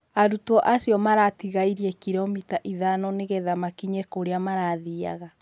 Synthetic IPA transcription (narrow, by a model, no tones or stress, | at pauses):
aɾutwɔʔasiɔmaɾatiɣaiɾiɛkiɾɔmitaʔiðanɔneɣɛðamakiɲɛkoɾeamaɾaðia̰ɣa